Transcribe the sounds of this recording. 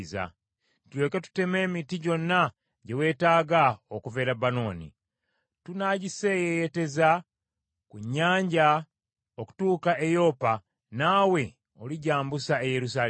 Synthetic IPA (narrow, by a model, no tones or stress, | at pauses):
za̰ | tweːketu̥te̞me̞ːmitiɟo̞nːa | ɟe̞we̞ːtaːɡaokuve̞ːɾabano̞ːnḭ | tunaːɟise̞jejete̞za | kuɲːaːɲɟa | oku̥tuːkaʔejo̞ːpa | naːwe̞ | oliɟaːmbusaejeɾus̬aː